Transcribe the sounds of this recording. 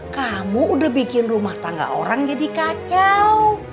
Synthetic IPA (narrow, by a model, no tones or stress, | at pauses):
kamuudahbikɪnrumaht̪aŋɡa̰ʔoɾaŋd͡ʒadikat͡ʃaw